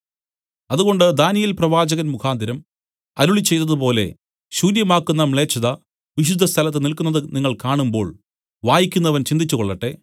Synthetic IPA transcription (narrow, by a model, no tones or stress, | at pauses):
ɐðuɣo̞ɳɖɨd̪aːnijilprɐʋaːd͡ʑɐɣɐnmukʰaːnd̪ʱiɾɐm | ɐɾuɭit͡ɕːe̞jt̪ːɐðɨpo̞ːle̞̰ | ɕuːɾjɐmaːkːunːɐmɭe̞ːt͡ɕːɐðɐ | ʋiɕ̬ud̪ʱːɐst̪ʰɐlɐt̪ːɨnilkunːɐðɨniŋːɐɭkaːɳumbo̞̰ːɭ | ʋaːjikʲːunːɐʋɐnt͡ɕind̪it͡ɕːuɣoɭːɐʈːe̞